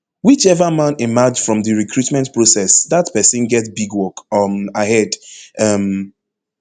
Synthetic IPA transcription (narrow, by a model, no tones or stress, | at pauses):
wit͡ʃɛvəmãnimad͡ʒfɹɔ̃mðɨɹikʰɹutmɛ̃ntpɹosɛsðatpɛsɨ̃nɡɛtbiɡwɔkmahɛdʌm